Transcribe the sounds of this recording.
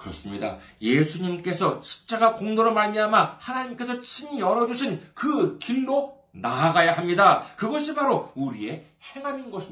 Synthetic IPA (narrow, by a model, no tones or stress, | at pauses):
kɯɾʌs͈ɯmɲida̰ | je̞sʰuɲimk͈e̞sʰʌɕʰi̥p̚t͡ɕ͈aɡakoŋdoɾomaɭmiɦamahanaɲimk͈e̞sʰʌt͡ɕʰiɲiʌɾʌd͡ʑuɕʰinkɯkiɭːo | naːɡajaɦamɲidakɯɡʌɕʰipaɾouɾie̞ | he̞ŋɦaminɡʌɕʰi